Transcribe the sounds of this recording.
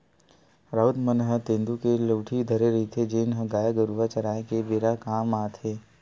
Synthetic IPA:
ɾaʊt̪mənɦət̪ẽːnd̪ukeləʋʈʰid̪ʱəɾeɾit̪ʰed͡ʒeːnɦəɡaːjaɡəɾuʋat͡ʃɐɾaːẽkebeːɾakaːmaːt̪ʰeː

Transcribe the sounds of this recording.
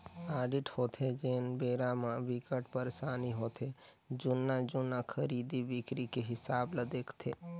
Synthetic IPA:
aːɖɪʈhoːt̪ʰed͡ʒeːnbeːɾamãʋɪkəʈpəɾsaːniɦoːt̪ʰe | d͡ʒʊnːad͡ʒʊnːakʰəɾiːd̪iʋɪkɾikeɦɪsaːbləd̪eːkʰt̪ʰeː

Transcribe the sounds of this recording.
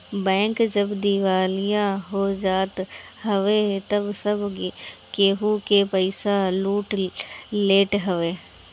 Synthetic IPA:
bɛ̃ːŋkd͡ʒɐbd̪ɪʋaːlɪjãɦod͡ʒaːt̪ | ɦɐʋet̪ɐbsɐbkeːɦukepəɪsaluːʈleːʈɦɐʋeː

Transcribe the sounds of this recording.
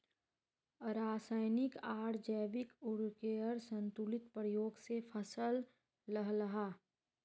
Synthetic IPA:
ɾaːsaːɪnɪkaːɽd͡ʒɛːbɪkʊɽkeəɾsə̃nt̪ʊlɪt̪pɾəjoːɡsepʰəsəlː | əɦləɦaː

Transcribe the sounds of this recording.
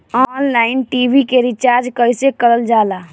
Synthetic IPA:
ɔnlainʈibʱikeɾit͡ʃaɾd͡ʒkəjsekəɾəld͡ʒala

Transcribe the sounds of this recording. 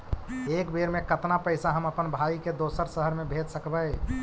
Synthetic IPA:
ekbeɾmekət̪napəɪsaɦəməpənbʱaiked̪osəɾsəɦəɾmebʱet̪səkbəɪ

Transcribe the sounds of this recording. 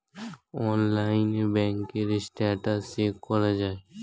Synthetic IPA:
ɔːnlaɪnebɛ̃ŋkːeɾesʈɛʈasekːɔɾad͡ʒaːe

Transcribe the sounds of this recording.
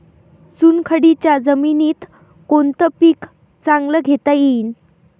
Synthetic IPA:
sunkʰəɽit͡ɕjad͡zəminiːt̪ | kont̪əpiːk | t͡saŋɡləɡʱet̪ajin

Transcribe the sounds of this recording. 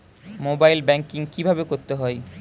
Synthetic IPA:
mobajlbɛŋkiŋkibʱabekoɾt̪eɦɔe

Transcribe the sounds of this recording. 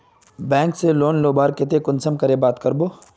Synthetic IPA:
bɛ̃ːŋkseloːnloːbaːɾkɪt̪̬ekʊnsəmkəɾebaːt̪kəɾboː

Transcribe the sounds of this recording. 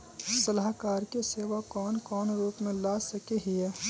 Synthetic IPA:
sɐlaːɦkaːɾkeseːʋakɔːnkɔːnɾuːpmẽlaːsɐkeɦiɛː

